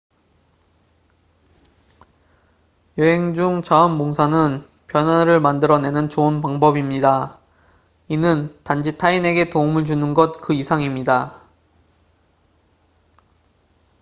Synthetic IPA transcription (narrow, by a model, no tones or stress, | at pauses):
joɦe̞ŋd͡ʑuŋt͡ɕaʌnmoŋsʰanɯn | pjʌnaɾɯɭmandɯɾʌne̞nɯnt͡ɕoɯnpaŋbʌbimɲida | inɯntand͡ʑitʰaine̞ɡe̞toumɯɭt͡ɕunɯnɡʌt̚kɯisʰaŋimɲida